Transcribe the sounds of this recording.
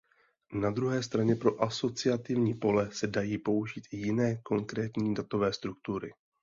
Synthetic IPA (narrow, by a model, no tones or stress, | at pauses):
nad̪ɾuɦɛːst̪ɾaɲɛpɾo̞ʔaso̞t͡sɪat̪ɪvɲiːpo̞lɛsɛdajiːpo̞uʒiːt̪ɪjɪnɛːko̞ŋkɾɛːt̪ɲiːdat̪o̞vɛːst̪ɾuk̚t̪uɾɪ̰